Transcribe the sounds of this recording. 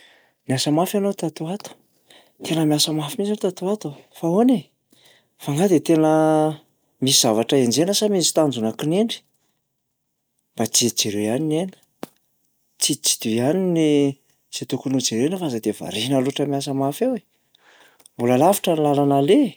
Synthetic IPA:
miasəmafjanot̪at̪uat̪u̥ | t̪enəmiasəmafimizot̪at̪uat̪ofaone | faŋɡad̪et̪enə | misiz̥avaʈ͡ʂəend͡zenəsamizi̥t̪and͡zunakineɳɖ͡ʐi̥ | mbat͡siid͡zeɾejaninenə̥ | t͡sit͡si̥d̪uianini | z̥et̪ukunud͡zeɾenəfazad̪eva̰ɾinaloʈ͡ʂəmiasəmafewe | mbuləlavi̥ʈ͡ʂənlalanale

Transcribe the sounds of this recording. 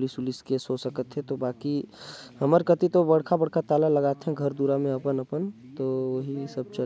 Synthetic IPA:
lisʊliskesosəkət̪ɦɛ̃t̪obaːkiɦəməɾkət̪it̪obəɽkʰabəɽkʰat̪aːlaləɡaːt̪eɦɛ̃ɡʱəɾd̪uɾamẽɐpənəpən | t̪oʋoɦisəb̚t͡ʃə

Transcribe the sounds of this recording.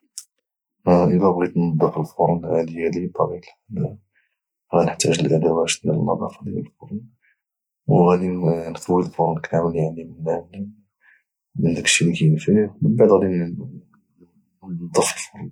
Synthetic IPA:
ʔəlæbɣit̪nɑd̪ˤːəfəlfʊɾˤnʕæd̪əjalit̪ːɑɾil | ɣænəħt̪æʒəlʔæd̪æwæt̪ələlmɑ̰d̪ˤɑ̰fɑlijə̰lfoɾˤn | wɣæd̪inqəwːilfʊɾˤnkʰæməljaʕnimənːæ | mənd̪ækʃilikæjənfimənbaʕd̪ɣæd̪in | d̪ˤːəfəlfoɾˤn

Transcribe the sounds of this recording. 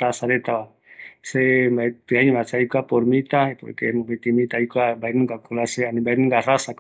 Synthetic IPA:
asaɾet̪aβa | seap̪eaɲβasajkapoɾmit̪aepo̰ɾkemõbet̪imĩt̪ajkwabajnũŋɡakolaseanĩbajnũŋɡarasak

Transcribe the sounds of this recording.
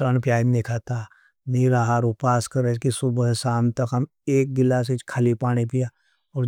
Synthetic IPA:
ənpjaːimnekʰaːt̪aː | niɾaːɦaɾʊpaːskəɾekisʊbəɦsaːmt̪ɐkɦɐm | eːk̚ɡɪlːaset͡ʃkʰalipaːɽ̃epijaː | ɔːɾ

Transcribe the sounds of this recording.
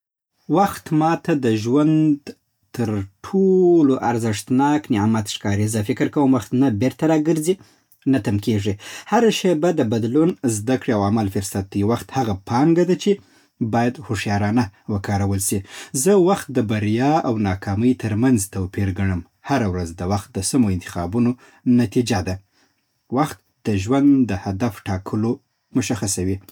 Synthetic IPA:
waxt̪mɑt̪ad̪əʒwand̪ | t̪əɾʈʰoloʔaɾzɪʂt̪nɑknɪʕmat̪ʂkɑɾizəfɪkɾkawəmwaxt̪nabeɾt̪aɾɑɡəɾzi | nat̪amkeʐihaɾaʃebad̪əbad̪lunzd̪akɽiawamalfʊɾsat̪̚ːajiwaxt̪haɣapʰɑŋɡad̪at͡ʃe | bɑjad̪hʊʂjɑɾɑnawəkɑɾawəlʃizəwaxt̪̚d̪əbaɾjɑawnɑkʰɑməjt̪ʰəɾmanzt̪awpiɾɡaɳəm | haɾawɾazd̪əwaxt̪̚d̪əsamoɪnt̪ɪ̥xɑ̰buno | nat̪id͡ʒad̪a | waxt̪ | d̪̥əʒwand̪d̪əhad̪afʈɑkʰəlo | mʊʃaxasawi

